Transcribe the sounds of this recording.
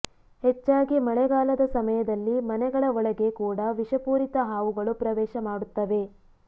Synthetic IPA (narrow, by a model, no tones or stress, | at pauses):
het͡ʃːaːɡimɐɭɛɡaːlɐd̪ɐsɐmɐjɐd̪ɐlːimɐnɛɡɐɭɐɔɭɐɡe̞kuːɽɐʋiʂɐpuːɾit̪ɐɦaːʋuɡɐɭupɾɐʋɛːʃɐmaːɽut̪ːɐʋe̞